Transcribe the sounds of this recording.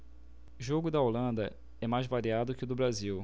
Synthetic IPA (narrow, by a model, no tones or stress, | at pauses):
ʒoɡʊd̪ɐolɐ̃nd̪ɐ | ɛmajzvaɾiad̪ʊkɪd̪ʊbɾaziw